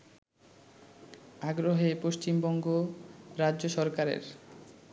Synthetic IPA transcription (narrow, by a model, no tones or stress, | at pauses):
aɡɾoɦepoʃt͡ɕimbɔŋɡoɾaʑoʃɔɾkaɾḛɾ